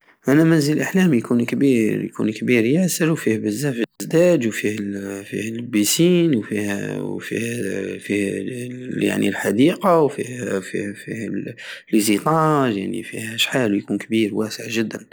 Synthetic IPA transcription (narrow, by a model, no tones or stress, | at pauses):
ʔænæmænzələlʔaħlæːmjkunkbiɾjkʰṵnkbiːɾjæsəɾwfihbəzːæfzd̪æːd͡ʒwfihfḭhlbisiːnwfihwfḭhfih | ja̰ʕnḭlħad̪iːqawfihfifihlizit̪ˤɑːʒja̰ʕnḭfihhæʃħalujkuːnkbiːɾwæsəʕʒəd̪ːən